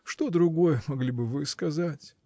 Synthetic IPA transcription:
ʂt̪o̞d̪ɾʊɡo̞jəmɐɡlʲibɨvɨskɐzatʲ

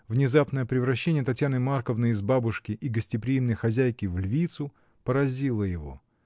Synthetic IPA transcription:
vnʲɪzapnəjəpɾʲɪvɾɐɕːenʲɪjət̪ɐtʲjanɨmarkəvnɨɪzbabʊʂkʲɪʔiɡəsʲtʲɪpɾʲɪimnəjxɐzʲæjkʲɪvlʲvʲit̪sʊ | pəɾɐzʲilˠəjɪvo̞̰

